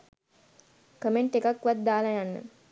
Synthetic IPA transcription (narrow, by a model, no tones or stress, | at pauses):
kəmeɳʈekakːʋat̪̚d̪aːlajanːə̰